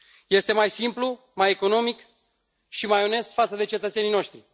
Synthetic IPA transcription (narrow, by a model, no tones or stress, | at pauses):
je̞st̪e̞majsimplu | majeko̞no̞mik | ʃimajone̞st̪fat̪səd̪e̞t͡ʃe̞t̪ət̪se̞nino̞ʃt̪ɾi